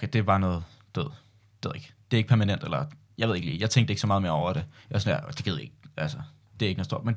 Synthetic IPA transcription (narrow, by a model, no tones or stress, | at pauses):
kʰed̥e̝ʋɑ̈nɔ̽ːð̩̥ˠʋeð̰̥ˠ | eðˠeɡ̥d̥e̝ɐeɡ̥̚pʰæɐmænen̰d̥elɐ | jɑðˠeɡ̥lḭːjɑ̈t͡sʰeŋɡ̥̚d̥eɡ̥sɒmɑ̈ːðˠmeːɐɒʊ̰ɐɾ̥e̝jasɒnjad̥e̝ɡ̥eðˠjeɡ̥̚ælsə | d̥e̝æeɡ̥nɔðˠd̥o̝ɐ̰men